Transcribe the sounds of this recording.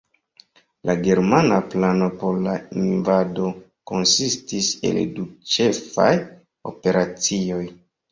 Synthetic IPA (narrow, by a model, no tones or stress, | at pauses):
lʔaɡe̞ɾmanaplano̞po̞ɾlainvado̞ | ko̞nsistise̞̰ldut͡ʃe̞fa̰j | o̞̰pe̞ɾat͡sio̞j